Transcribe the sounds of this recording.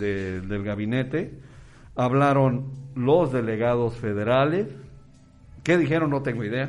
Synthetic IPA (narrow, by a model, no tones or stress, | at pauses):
ed̪elɣaβine̞t̪e | aβlaɾonlozðe̞le̞ɣaðosfeðeɾales | keðixe̞ɾonːot̪e̞ŋɡoiðea